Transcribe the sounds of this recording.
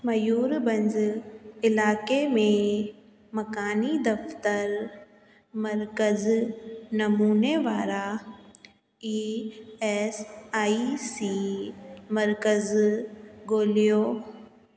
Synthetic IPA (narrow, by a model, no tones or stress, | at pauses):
mɐjuːɾbɐ̃ɲd͡ʑɪlaːkemẽ | mɐkaːnid̪ɐft̪əɾ | mɐɾkəznɐmuːneʋaːɾa | i | eːsaːisiː | mɐɾkəz | ɡoːlijoː